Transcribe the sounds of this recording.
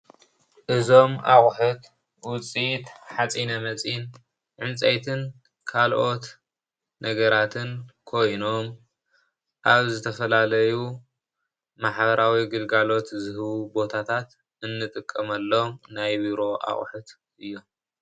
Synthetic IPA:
ʔɨzo̞mʔaχʼħut̪ | wʊt͡sʼit̪ħat͡sʼinɐmɐt͡sʼin | ʕɨnt͡sʼajt̪ʰɨn | kʰalʔo̞t̪ | nɐɡɐɾat̪ʰɨnkʰo̞jno̞m | ʔaβzɨt̪ʰɐfɐlalɐju | maħbɐɾawiɡɨlɡalo̞t̪zɨhɨβubo̞t̪ʰat̪ʰat̪ | ɨnːɨt̪ʼɨkʼːɐmɐlːomnajbiɾo̞ʔa̰χʼħut̪ | ʔɨjːom

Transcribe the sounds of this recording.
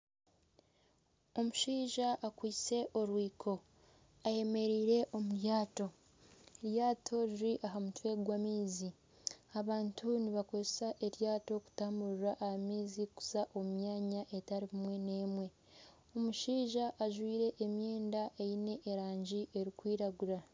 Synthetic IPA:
o̞muʃiːʒaʔːkwiːt͡se̞ʔo̞ɾwiːkʰo̞ | aje̞me̞ɾiːɾe̞ʔo̞muɾjaːto̞ | ɾjaːtʰo̞ɾiɾiʔaɦamutwe̞ɡwamiːzi | aβaːntʰuniβako̞zesaʔe̞ɾjaːto̞ku̥taːmbuɾuɾaʔahamiːziku̥zaʔo̞mmjaːɲaʔe̞taɾiimwe̞ne̞ːmwe̞ | o̞muʃiːʒaʔːʒwiːɾe̞ʔːmjeːndaʔejine̞ʔːɾaːɲɟiʔe̞ɾikwiːɾaɡuɾa

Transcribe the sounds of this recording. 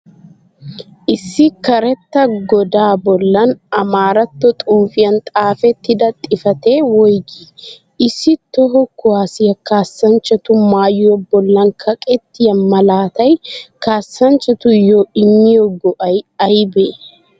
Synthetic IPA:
ʔɪsːɪkɐɾɛt̪ːɐɡɔd̪aːbɔlːɐnɐmaːɾɐt̪ːɔt̪ʼuːfɪjɐnt̪ʼaːfɛt̪ːɪd̪ɐt̪ʼːɪfɐt̪e̞ːwɔjɡi | ɪsːɪt̪ːɔɦɔkːʊwaːsɪjɐkaːsːɐnt͡ʃːɐt̪ʊmaːjɪjɔbɔlːɐnkʰɐkʼɛt̪ːɪjɐnmɐlaːt̪ɐjkaːsːɐnt͡ʃːɐt̪ʊjoɪmːɪjɔɡɔʔɐjɐjbe

